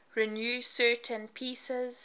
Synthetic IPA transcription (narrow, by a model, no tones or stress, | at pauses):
ɹinjuːsɜːˑtʰə̃npʰiːsəz